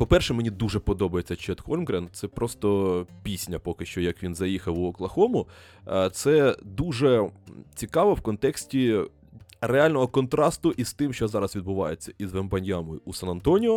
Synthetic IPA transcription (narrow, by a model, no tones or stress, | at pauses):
pɔpɛrʃɛmenʲid̪uʒɛpɔd̪ɔbɐjet͡sʲːɐt͡ʃɛd̪xɔlʲmɡɾɛn̚sɛpɾɔst̪ɔpʲisʲnʲɐpɔkɪʃt͡ʃɔjɐkʋʲinzɐjixɐwɔklˠɐxɔmʊ | t̪sɛd̪uʒɛt͡sʲikɑʋɔwkɔnt̪ɛksʲtʲi | reɑlʲnɔɦɔkɔnt̪ɾɑst̪ʊʔist̪ɪmʃt͡ʃɔzɑɾɐzʋʲid̪̚bʊʋɑ̰jet͡sʲːɐʔizʋɛmbɐnʲjamʊusɐnɐnt̪ɔnʲiɔ